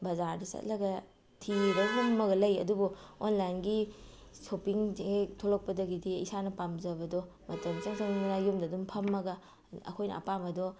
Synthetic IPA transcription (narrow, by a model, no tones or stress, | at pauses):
bɐzaɾdɐsɐ̰t̚lɐɡɐ | tʰibɐjumːɐɡɐlɐjɐdubuonlajnɡi | sopiŋetʰolok̚pɐdɐɡidiisanɐpamzɐbɐdɔ | mɐtɐmsɐŋsaŋnɐjumdɐdumpʰɐmːɐɡɐ | ɐ̰kʰojnɐ̰ːpamɐdɔ